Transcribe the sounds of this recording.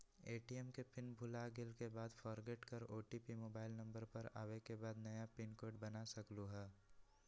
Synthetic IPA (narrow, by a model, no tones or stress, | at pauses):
eːʈiɛmkepɪnbʱʊlaɡɪlkebaːd̪fʰɔɾɡeʈkəɾoːʈipimoːbaːɪlnɐ̃mbəɾpɐɾa̰ːwekebaːd̪nɐjapɪnkoːɖbɐnasɐkluɦɛː